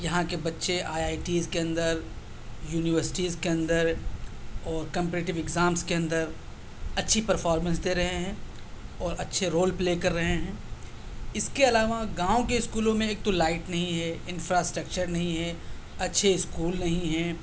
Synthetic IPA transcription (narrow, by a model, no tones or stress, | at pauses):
jɐɦãkebɐtːʃeʔaːjaːɪʈiːzkeɐ̃nd̪əɾ | juːnɪʋəɾsɪ̥ʈiːzkeɐ̃nd̪əɾ | ɔːɾkɐ̃mpɛɾeːʈɪʋɪɡzaːmskeɐ̃nd̪əɾ | ɐtːʃʰipɐɾfɔːɾmə̃nsd̪eːɾɐɦeɦɛ̃ː | ɔːɾɐtːʃʰeɾoːlpleːkɐɾːɐɦeɦɛ̃ː | ɪskeɐlaːʋaɡãːõkeɪskuːlõmẽeːk̚t̪olaːɪʈnɐɦĩɦɛɪ̃nfɾasʈɾək̚t͡ʃəɾnɐɦĩɦɛ | ɐtːʃʰeɪskuːlnɐɦĩɦɛ̃ː